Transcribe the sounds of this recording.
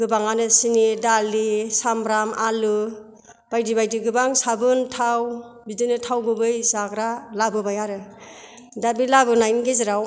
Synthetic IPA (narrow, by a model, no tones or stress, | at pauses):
ɡɯbaŋanɯsinidalisambɾamalɯ | b̥ajdibajdiɡɯbaŋsabɯntʰaw | bidɯnɯtʰawɡɯbɯjzaɡɾalabɯbajaɾɯ | dabilabɯnajnɡeziɾaw